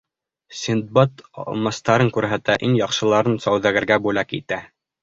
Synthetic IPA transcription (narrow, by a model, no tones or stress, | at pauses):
sʲind̪̚bɑt̪mɑ̆st̪ɑɾɤŋkʉɾɦæt̪æʔiŋjɑqʃɤ̆lˠɑɾɤnsɑwðæɡɘ̆ɾɡæbʉlækḭt̪æ